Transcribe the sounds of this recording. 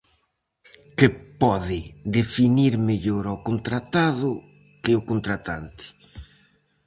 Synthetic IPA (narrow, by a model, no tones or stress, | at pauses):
kɪpɔðɪd̪efiniɾmeʎoɾokont̪ɾat̪aðʊ | kɪokont̪ɾat̪a̰nt̪ɪ̥